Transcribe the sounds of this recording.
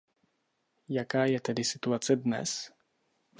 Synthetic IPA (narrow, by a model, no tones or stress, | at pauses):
jakaːjɛt̪ɛdɪsɪt̪uat͡sɛdnɛ̰s